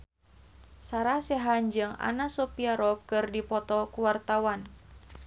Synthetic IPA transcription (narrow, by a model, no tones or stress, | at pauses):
saɾasɛɦand͡ʒɨŋa̰nasɔpiaɾɔkɨrdipɔt̪ɔkuwart̪awan